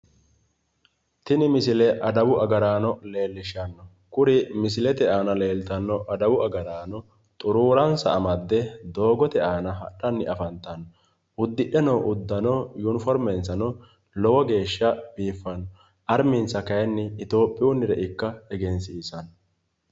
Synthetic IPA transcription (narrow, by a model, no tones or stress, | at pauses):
t̪ɪnɪmɪsɪlɛʔɐd̪ɐwʊʔɐɡɐɾaːnɔle̞ːlːɪʃɐnːɔ | kʊɾɪmɪs̬ɪlɛt̪ɛaːnɐle̞ːlt̪ɐnːɔʔɐd̪ɐwʊʔɐɡɐɾaːnɔ | t̪ʼʊɾuːɾɐnsɐ̰ːmɐd̪ːɛd̪o̞ːɡɔt̪ɛaːnɐɦɐ̰ɗːɐnːɪɐfɐnt̪ɐnːɔ | ʊd̪ːɪɗɛnɐwʔʊd̪ːɐnɔjunɪfɔɾmɛnsɐnɔ | lɔwɔɡe̞ːʃːɐb̥iːfːɐnːɔ | ɐɾmɪnsɐkɐjɛnːɪːt̪o̞ːpʼːɪʊnːɪɾɛʔɪkːɐɛɡɛnsɪɪsɐnɔ